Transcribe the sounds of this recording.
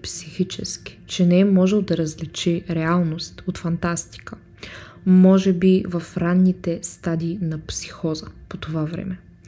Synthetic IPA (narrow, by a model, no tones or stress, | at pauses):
psixit͡ʃɛ̰ski̥t͡ʃɛnɛɛmɔʒɛlˠd̪ɐɾɐzlit͡ʃɛɾɛalˠnost̪ot̪fɐnt̪ast̪i̥kə | mɔʒɛbivɐfɾanːit̪ɛst̪ad̪iːnɐpsi̥xɔzəpot̪ovavɾɛ̰mɛ